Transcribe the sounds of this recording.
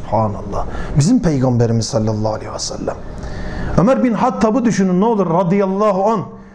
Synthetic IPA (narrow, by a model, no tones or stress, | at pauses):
ubħɑːnɑlˠːɑ̰ːbizimpʰejɡɑmbɛɾimiz̥sɑlːɑlˠːɑːlehwɛsæ̰lːæm | ømæɾbinħɑt̪ʰːɑːbud̪yʃynynɛolˠuɾɾɑd̪ijɑlˠːɑːɦuɑn